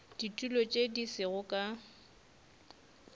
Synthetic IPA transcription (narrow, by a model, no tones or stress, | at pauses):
d̥itʼulot͡ʃʼedisɪɣʊkʼa